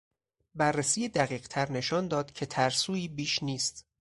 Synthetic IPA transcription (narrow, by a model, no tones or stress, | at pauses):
bærːesiːjed̪æɣiːɢt̪ʰæɾne̞ʃɒːnd̪ɒːd̪̥cʰe̞t̪ʰæɾsuːiːbiːʃniːst̪